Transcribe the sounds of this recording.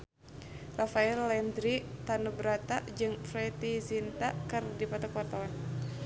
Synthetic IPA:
rafaɛlːɛnd̪ɾit̪anubɾat̪ad͡ʒɨŋfɾɛt̪izint̪akɨrdipat̪ɔkuwart̪awan

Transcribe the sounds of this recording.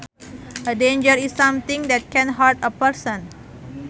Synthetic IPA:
ʔədẽnd͡ʒəɾisːãmt̪ĩŋdɛt̚kɛ̃nɦaɹtəpəɾsə̃n

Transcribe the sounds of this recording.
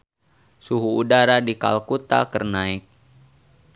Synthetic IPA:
suɦuːdaɾadika̰lkut̪a̰kərnaɪk̚

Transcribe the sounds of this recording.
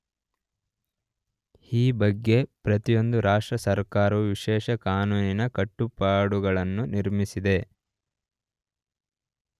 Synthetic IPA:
iːbɐɡːe̞pɾɐt̪ijo̞nd̪uɾaːʂʈɾɐsɐɾkaːɾɐʋuʋiʃɛːʃɐkaːnuːninɐkɐʈːupaːɽuɡɐɭɐnːuniɾmisid̪e̞

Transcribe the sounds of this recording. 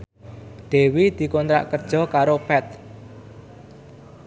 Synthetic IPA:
d̪̥e̤wid̪̥i̤kɔnt̪ɾa̰ʔkərd̥ʒ̥ɔ̤kaɾopɛt̪̚

